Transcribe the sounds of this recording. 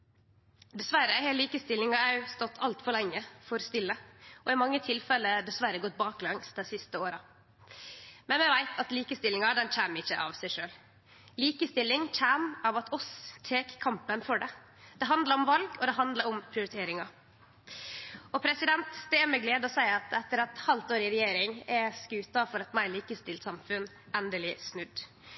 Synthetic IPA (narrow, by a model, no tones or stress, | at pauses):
d̪ɛsʋæɾəhɛliːkəst̪ɪlːɪŋɑæst̪ɔt̪ʰːɑlt̪fɔɾɭɛŋːəfɔɾst̪ɪlːəɔɪmɑŋːət̪ʰɪlfɛlːəɖ̪ɛsʋæɾəɡɔt̪̚ːbɑːklɑŋsd̪ɛsɪst̪əoːɾɑ | mɛnʋɛʋæɪt̪ʰɑt̪liːkəst̪ɪlɪŋɑd̪ɛnc͡çæːmɪçːəʔɑ̰ʋsæɪʂøːl | liːkəst̪ɪlːɪŋc͡çæːmɑʋɑt̪ʰɔst̪ʰeːkkʰɑmpənfɔɖɛ | d̪̥ɛɦɑnd̪lɑɾɔmʋɑlɡɔd̪ɛɦɑnd̪ləɾɔmpʰɾɪʊɾɪt̪ʰeːɾɪŋɑ | ɔpʰɾɛsɪd̪ɛnt̪d̪ɛɛmɛɡleːd̪ɔsæɪɑt̪ɛt̪ːəɾɛt̪hɑlt̪oːɾɪɾɛjeːɾɪŋɛskʉːt̪ɑfɔɾɑt̪mæɪliːkəst̪ɪlt̪sɑmfʉn | ɛnd̪əlɪsnʉd̪